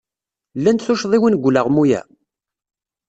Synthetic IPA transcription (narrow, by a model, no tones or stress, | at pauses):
lːænt̪θuʃðˤiwənɡʷləʁmujæ̰